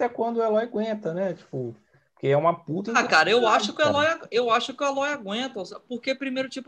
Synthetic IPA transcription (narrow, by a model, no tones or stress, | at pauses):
t̪ɛkwɐ̃nd̪ʊɛlɔjɡwẽnt̪ɐnɛt͡ʃi̥pʊ | ppo̥keɛũmɐput̪ɐakaɾɐewaʃʊkɪʊɛlɔjaewaʃʊkɪʊɛlɔjaɡwẽt̪ɐospoɾkepɾimejɾʊt͡ʃipʊ